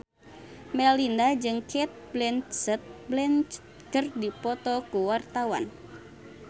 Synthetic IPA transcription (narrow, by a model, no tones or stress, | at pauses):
mɛlindad͡ʒɨŋkʰɛt̪̚blɛnt̪sɛt̪̚blɛnt͡ʃ | kɨrdipɔt̪ɔkuwart̪awa̰n